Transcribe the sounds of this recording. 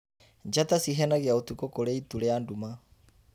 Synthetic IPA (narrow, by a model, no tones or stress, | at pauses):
ɲd͡ʒatasiɦɛnaɣiaotukokoɾeituɾeanduma